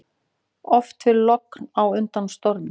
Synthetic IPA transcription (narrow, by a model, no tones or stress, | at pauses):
ɔft̪fɪɾlɔknawʏnt̪anst̪ɔɾɪ